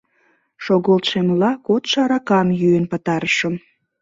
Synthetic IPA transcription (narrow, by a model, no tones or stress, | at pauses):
ʃoɣolt̪ʃemlɑkot̪ʃɑɾɑkɑnjyenpə̆t̪ɑɾəʃəm